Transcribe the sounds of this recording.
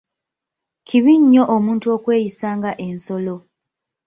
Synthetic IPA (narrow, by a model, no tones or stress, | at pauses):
cʰiβiɲːo̞ʔomuːntuokwe̞ːjisaːŋɡaʔe̞nso̞lo